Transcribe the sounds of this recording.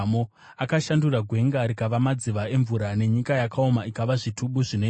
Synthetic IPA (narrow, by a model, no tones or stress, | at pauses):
mo | akaʃanduraɡʱwe̞ŋɡaɾikaʋamad͡ziʋae̞ɱvuɾane̞ɲikajakʰao̞maikaʋaʐitʰuɓuʐino